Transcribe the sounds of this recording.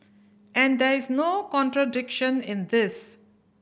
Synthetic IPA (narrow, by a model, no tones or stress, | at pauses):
ɛ̃ɳɖd̪ɛɾɪznoːkɔ̃ɳʈɾəɖɪkʃə̃nɪ̃nd̪ɪs